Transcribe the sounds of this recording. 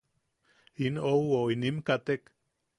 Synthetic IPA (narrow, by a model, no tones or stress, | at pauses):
inowoinimkat̪ek